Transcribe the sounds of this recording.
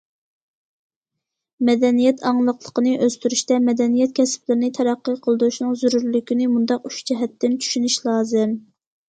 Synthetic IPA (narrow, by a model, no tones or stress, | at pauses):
mɛd̪ɛnijɛt̪ʰɑŋlˠəqlˠəqənɨʔøst̪yɾyʃt̪ɛmɛd̪ɛnijɛt̪̚kʲʰɛsplɪɾɪnɪt̪ʰɛɾæqːəqʰəlˠd̪uʃnɨŋzyɾuɾlykʲinɪmund̪ɑqyʃd͡ʒɛɦɛt̪ːɪnt͡ʃʰy̥ʃynyʃlˠɑːzɨm